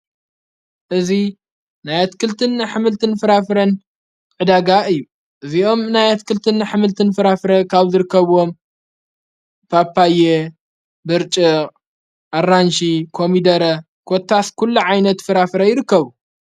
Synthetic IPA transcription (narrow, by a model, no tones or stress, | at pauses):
ʔɨzi | najat̪kʰɨlt̪ʰɨnːaħɨmɨlt̪ʰɨnfɨɾafɾɐn | ʕɨd̪aɡaʔɨjːu | ʔɨzio̞mnajat̪kʰɨlt̪ʰɨnːaħɨmɨlt̪ʰɨnfɨɾafɨɾɐkʰaβzɨɾɨkːɐβo̞m | pʰapʰːaje | bɨɾt͡ʃʼi | ʔarːanʃikʰomid̪ɐɾɐ | kʰot̪ʰːaskʰulːuʕajnɐt̪fɨɾafɨɾɐjɪɾɨkːɐβu